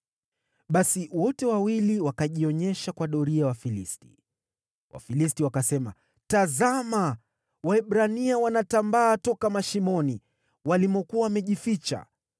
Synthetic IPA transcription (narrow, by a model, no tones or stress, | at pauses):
ɓasiwɔtɛwawiliwakaʄiɔɲɛʃakwaɗɔɾiawafilisti̥ | wʔa̰filistiwakasɛma̰ | tazama | waɛɓɾaniawanatambaːtɔkamaʃimɔni | walimɔkuawamɛʄifit͡ʃa̰